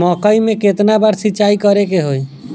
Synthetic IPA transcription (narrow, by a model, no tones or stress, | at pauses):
mɔkəimẽket̪nabaɾsiːt͡ʃaikəɾekeɦoj